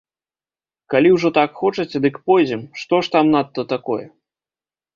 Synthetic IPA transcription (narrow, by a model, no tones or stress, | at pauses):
kalʲiwʐɔt̪akxɔt͡ʂɐt͡sʲɛd̪ɨkpɔjd͡zʲɛmʂt̪ɔʂt̪amnat̪ːɐt̪akɔjɛ̰